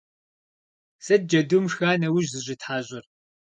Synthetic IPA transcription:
sɐd̚d͡ʒɐdumʂxaːnɐwʊʒzɨʑʷʼɪtħaːʑʷʼɪr

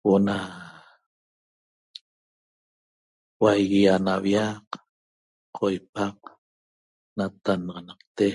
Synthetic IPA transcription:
woʔna | wajɣianawjaq | qʰːojpaq | nat̪anʁɑnɑqt̪e

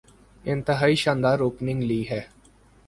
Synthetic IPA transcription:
ɪ̃nt̪əɦaːiːʃãːnd̪aːɾːoːpnɪ̃ŋɡləiːɦɛː

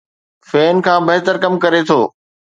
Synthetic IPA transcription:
fɛːnkʰãːbɐɦɪt̪əɾkɐmkɐɾet̪ʰoː

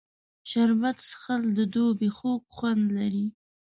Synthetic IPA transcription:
ʃaɾbat̪sxald̪əd̪obexok̚xwand̪laɾi

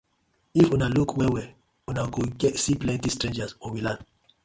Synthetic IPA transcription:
ifunalukʰwɛwɛ | unaɡoɡɛtsiplɛ̃ntistɹẽnd͡ʒasɔwilãn

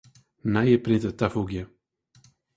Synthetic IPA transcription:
najəpɾɪnt̪ət̪afuɡjə

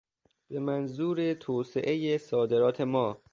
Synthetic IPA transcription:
b̥emænzuːɾet̪ʰoːseʔe̞jesɒːd̪e̞ɾɒːt̪ʰemɒː

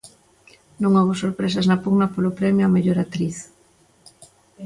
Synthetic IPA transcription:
nõŋɔɣosoɾpɾes̬ɐznɐpuɣnɐpolʊpɾɛmjʊɐmeʎoɾat̪ɾiθ

